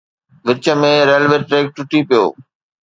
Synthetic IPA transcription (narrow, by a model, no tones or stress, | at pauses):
ʋɪt͡ɕə̆mẽɾeːlʋeːʈɾeːk̚ʈʊʈipijo̰ː